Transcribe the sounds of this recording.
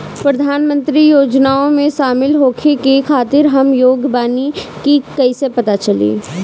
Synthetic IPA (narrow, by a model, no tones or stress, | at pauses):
pɾɐd̪ʱaːnmə̃nt̪ɾijoːd͡ʒnaːõmẽʃaːmɪlɦoːkʰekekʰaːt̪ɪɾɦɐmjoːɡbaːnikikɐisepɐt̪at͡ʃɐlḭː